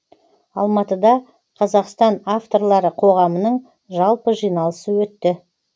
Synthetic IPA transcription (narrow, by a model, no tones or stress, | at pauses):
ɑlˠmɑt̪əd̪ɑ | qʰɑzɑqst̪ɑnaft̪o̞rlˠɑɾəqʰo̞ʁɑmənəɴ | ʒɑlˠpəʒijnɑlˠəsəwɵt̪ːɪ